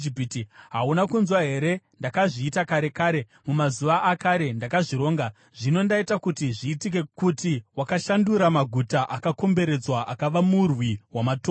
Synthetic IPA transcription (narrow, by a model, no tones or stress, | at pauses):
ipitiɦaunakunzwaɦe̞ɾe̞ndakaʐiːtakaɾe̞kaːɾe̞ | mumazuʋaʔːkaɾe̞ndakaʐiɾo̞ːŋɡa | ʐ̥ino̞ndaitakutiʐiːtik̬e̞kutiwakaʃanduɾamaɡʱutaʔakako̞mbe̞ɾe̞d͡zwaʔakaʋamurwiwamatoː